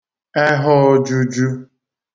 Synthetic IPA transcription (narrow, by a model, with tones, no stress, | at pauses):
ɛ˦ɦʊ˦d͡ʒu˦d͡ʒu˦